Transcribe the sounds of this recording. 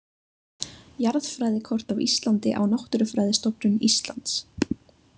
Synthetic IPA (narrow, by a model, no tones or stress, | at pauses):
jaɾðfɾaːjðɪkʰɔr̥t̪awḭst̪lant̪ɪʔa̰wnaht̪ʏɾʏfɾaːjðɪst̪ɔpnʏnist̪la̰nt̪s